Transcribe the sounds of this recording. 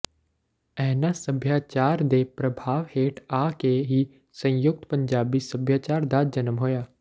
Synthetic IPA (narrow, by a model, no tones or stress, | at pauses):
ɛɦnasəbʱjaːt͡ʃaːɾd̪epɾəbʱaːʋheːʈʰaːkeɦi | sə̃jʊk̚t̪pə̃ɲd͡ʒaːbisəbʱjaːt͡ʃaːɾd̪ad͡ʒənəmɦoːjaː